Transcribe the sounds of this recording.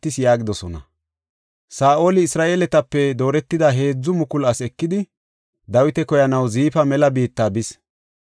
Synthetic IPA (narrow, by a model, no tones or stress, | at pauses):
ɪsjaːɡɪd̪ɔsɔnɐ̰ | saːʔo̞ːlɪːsɾaːʔe̞ːlɛt̪ɐpːɛd̪o̞ːɾɛt̪ːɪd̪ɐɦe̞ːd͡zːʊmʊkʊlɐsɛkːɪd̪ɪ | d̪ɐwɪt̪ɛkɔjɐnɐwziːfɐmɛlɐbiːt̪ːaːbɪs